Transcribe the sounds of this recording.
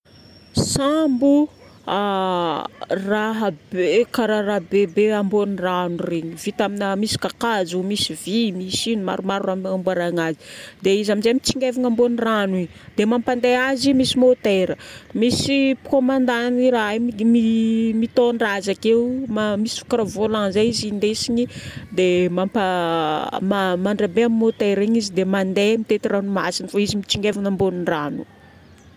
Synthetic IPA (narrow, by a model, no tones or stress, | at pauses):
sambu | a | raɦabekaɾaɾaɦbebeamboniranureɲivit̪aminəmisi̥kakazumisivimisinuma̰ɾumaɾuramambuaɾaŋazi̥d̪eizaminzemit͡siŋɡeviŋambonirani | d̪emampand̪eazimisimot̪eɾəmisipkomand̪aniɾammimit̪oɳɖ͡ʐazakeumamisi̥fḁkaɾavolaŋzajizind̪esiɲid̪emampa | mamaɳɖ͡ʐabeamimːot̪eɾiɲizid̪emand̪emit̪et̪iranuma̰sinfaizimit͡siŋɡevinamboniranu̥̰